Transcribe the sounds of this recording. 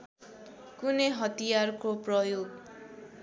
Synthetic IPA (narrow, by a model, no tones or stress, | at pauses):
kuneɦʌt̪ijarkoprʌjoɡ